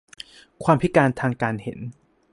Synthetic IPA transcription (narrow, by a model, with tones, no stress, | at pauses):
kʰwaː˧mpʰi˦˥kaː˧nt̪ʰaː˧ŋkaː˧nhe˨˩˦n